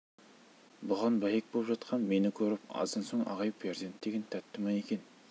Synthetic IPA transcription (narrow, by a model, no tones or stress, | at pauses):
bʊʁɑnbɑjek̚bolˠpʒɑt̪qʰɑnme̞nɪkʲʰɵɾɪpɑ̰zd̪ɑnsoɴɑ̰ʁɑjpʰeɾzent̪d̪eɡʲɪnt̪ʰæt̪ʰːɪmɑjekʲen